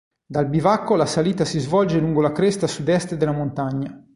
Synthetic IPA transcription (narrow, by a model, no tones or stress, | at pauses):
d̪albivakːolasaliːt̪asizvɔld͡ʒeluŋɡolakɾɛst̪asud̪ɛst̪d̪elːamont̪aɲːa